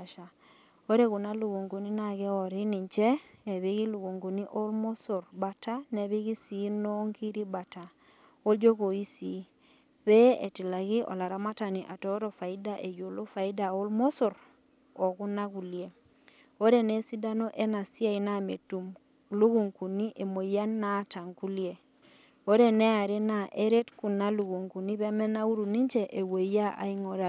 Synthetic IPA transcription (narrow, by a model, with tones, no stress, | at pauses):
ʃa˨ | o˦ɾe˦ɣu˨na˦lu˨ɣu˨ŋɡu˨ni˦na˨ɣɛ˦ɔ˨ɾi˦ni˨ɲt͡ʃɛ˦ɛ˨βi˦ɣi˦lu˨ɣu˨ŋɡu˨ni˦ʔo˦lmo˦su˨ɾba˨ta˦nɛ˨βi˦ɣi˦si˨˦nɔ˦ŋɡi˦ɾi˦ba˨ta˨ | o˦d͡ʒo˦ɣo˨i˦si˨˦ | βɛ˦e˨ti˨la˨ɣi˦ʔɔ̰˨la˨ɾa˨ma˦ta˨ni˨ʔa˨tɔ˦ɾɔ˨fa˨i˦da˦ʔe˨jo˨lo˦fa˨i˦da˨o˦lmo˦su˨ɾ | ɔ˨ku˦na˦ku˨lje˦ | o˦ɾe˦ne˦si˦da˦no˦ʔe˦na˨si˦a˦˨i˦na˦˨me˨tu˨m | lu˦ɣu˨ŋku˨ni˦ʔe˨mo˨i˦a˦nːa˦ta˨ŋku˦lje˦ | o˦ɾe˦ne˦a˨ɾe˦na˨ʔe˦ɾe˦tku˨na˦lu˨ɣu˨ŋku˨ni˦βe˦mɛ˦na˦u˦ɾu˨ni˦ɲd͡ʒe˦ʔe˨wo˨i˦a˦ʔa̰˦i˦ŋɔ˦ɾa˨